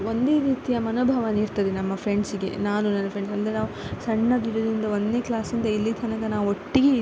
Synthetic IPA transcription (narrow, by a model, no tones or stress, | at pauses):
ond̪e̞ːɾiːt̪ijɐmɐnoːbʱɐʋɐniːɾt̪ɐd̪enɐmːɐpʰɾeɳɖsiɡe̞̰naːnunɐnːɐpʰɾeɳɖsɐnd̪ɐɾenaːʋusɐɳːɐd̪iɾod̪ɾind̪ɐond̪neːklaːsind̪ɐilːit̪ʰɐnɐkɐnaːʋuoʈːiɡe